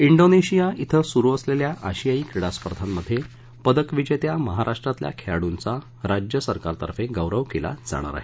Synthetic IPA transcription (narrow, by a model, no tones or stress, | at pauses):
iɳɖoneɕijait̪ʰəsuɾuəsleljaʔaɕijaiːkɾiɽaspəɾd̪ʱamːəd̪ʱːje | pəd̪əkʋid͡ʑet̪jaməɦaɾʔaʂʈɾat̪lja̰kʰeɭaɽunt͡sa | ɾad͡ʑjəsəɾkaɾt̪ə̰ɾfeɡəʋɾəʋkela̰d͡za̰ɽ̃a̰ɾa̰ɦe